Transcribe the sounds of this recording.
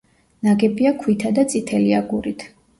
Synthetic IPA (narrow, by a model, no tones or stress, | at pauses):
naɡɛbiakʰwit̪ʰad̪at̪sʼit̪ʰɛliaɡuɾit̪ʰ